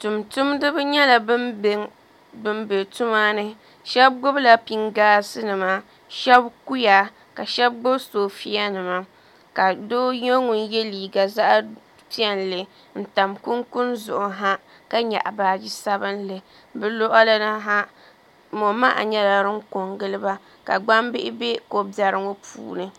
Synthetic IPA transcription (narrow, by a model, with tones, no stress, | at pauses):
tu˨mtʊ˦mdɨ˦bɨ˦ɲɛ˦la˨bɨ˦m˨ | bɨ˦mbe˨tu˦maː˦nɨ˦ | ʃɛ˦b̚ɡʊ˦bla˨pi˨ŋɡaː˦sɨ˦nɨ˨ma˦ | ʃɛ˦bku˦ja˨ | ka˨ʃɛ˦b̚ɡ͡bʊ˦bsoː˨fi˦a˦nɨ˨ma˦ | ka˨doː˦jo˦ŋu˨njɛ˦liː˨ɡa˨za˦ʔ | ti˦ɛ˨nlɨ˨ | n̩˨ta˨mku˦nkʊ˦nzʊ˨ʔʊ˨ɦa˦ | ka˦ɲa̰˨ʔa̰˨baː˨d͡ʒi˦sa˦bɨ˦nlɨ˨ | bɨ˦˨lo˦ʔa˦la˦na˦ɦa˦ | mo˨ma˦ʔa̰˨ɲɛ˦la˨ɾɨ˦ŋ̩˦ko˨ŋɡɨ˦lɨ˦ba˦ | ka̰˨ɡ͡ba˦mbɪ˦ʔɪ˦be˦ko˨bjɛ˨ɾɨ˦ŋo˦pʰṵː˦nɨ˦